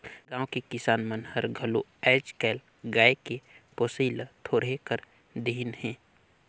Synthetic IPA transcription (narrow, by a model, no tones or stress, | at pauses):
ɡãːwkekɪsaːnmənhəɾɡʱəluɛːd͡ʒkɛːl | ɡaːekepoːsiːlt̪ʰoːɾɦekəɾ | d̪enhɛ̃ː